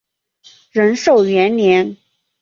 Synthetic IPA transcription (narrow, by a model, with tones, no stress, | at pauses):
ɻə˧˥nʂo˥˩ʊɥɛ˧˥nljɛ˧˥n